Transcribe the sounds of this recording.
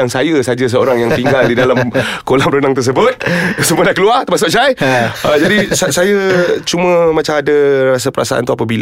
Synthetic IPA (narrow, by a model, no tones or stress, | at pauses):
aŋsajəsad͡ʒas̬əoɾaŋjaŋt̪iŋɡaldidalamkolamɾənaŋt̪ərs̬əbʊt̪̚sumũə̃daʔkəluart̪əmas̬ʊʔsajəd͡ʒadisasajat͡ʃumə̃mãt͡ʃamadaras̬apəɾʔa̰sa̰ʔa̰nt̪uapabil